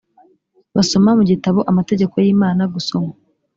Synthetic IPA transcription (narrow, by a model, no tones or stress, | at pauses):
βaso̞mamuɟitaβoʔamate̞ɟe̞ko̞jiːmaːnaɡuso̞ma